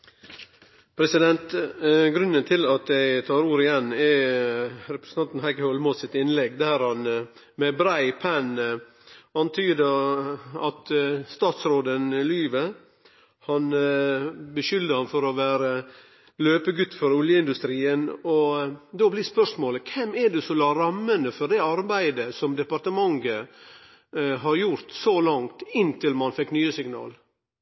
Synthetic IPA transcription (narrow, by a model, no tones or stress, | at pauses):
pʰɾɛsɪd̪ɛnt̪ɡɾʉnːənt̪ʰɪlɑt̪̚d̪ɛɪt̪ʰɑːɾuːɾɪjɛnːɛ | ɾɛpɾəsn̩ʰɑnt̪n̩hæɪkəhɔlmoːsɪt̪ɪnlɛɡd̪æːɾhɑn | mɛbɾæɪpʰæn | ɑnt̪ʰyːd̪ə | ɑt̪st̪ɑːt̪sɾoːd̪ənɪlyːʋə | hɑn | bəʃʏld̪əhɑnfɔɾɔʋæːɾə | løːpəɡʉt̪ːfɔɾʊljəɪnd̪ʉst̪ɾiːənɔd̪oːblɪɾspœʂmoːləkʰɛmɛɖ̪ʉsɔlɑːɾɑmːənəfɔɖɛɑɾbæɪd̪əsɔmd̪ɛpɑɾt̪əmɑŋɡə | ɦɑɾjʊɾt̪solɑŋt̪ɪnt̪ʰɪlmɑnfɛkːnyːəsɪŋnɑ̰ːl